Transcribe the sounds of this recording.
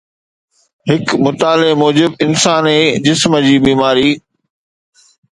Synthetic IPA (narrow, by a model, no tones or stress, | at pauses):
ɦɪkmʊt̪aːlemoːd͡ʑɪbɪnsaːneːd͡ʑɪsməd͡ʑiːbiːmaːɾiː